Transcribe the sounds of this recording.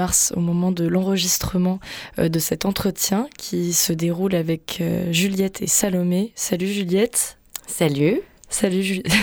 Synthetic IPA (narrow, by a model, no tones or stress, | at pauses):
aʁso̰mɔmɑ̃d̪əlɑ̃ʁəʒist̪χəmɑ̃d̪əsɛt̪ɑ̃t̪χət̪jɛ̃kʲʰisəd̪eʁulavɛkʰøʒyljɛt̪ʰesalɔmesalyʒyljɛt̪ | salysalyʒy